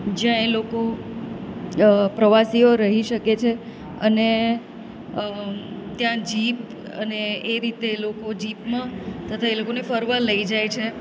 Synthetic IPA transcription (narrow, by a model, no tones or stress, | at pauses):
d͡ʒjãeloko | pɾəʋasioɾəɦiʃəket͡ʃʰe | əne | t̪jãd͡ʒip | əneːɾit̪elokod͡ʒipmãt̪ət̪ʰaelokonefəɾʋələid͡ʒajt͡ʃʰe